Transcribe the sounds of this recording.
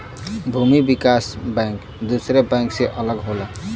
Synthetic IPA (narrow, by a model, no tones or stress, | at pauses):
bʱumibikasbɛ̃ŋk | d̪usɾebɛ̃ŋkseʔʌləɡɦola